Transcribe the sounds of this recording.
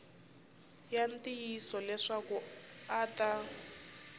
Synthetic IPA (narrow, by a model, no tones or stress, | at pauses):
jantijisɔlɛʂakuata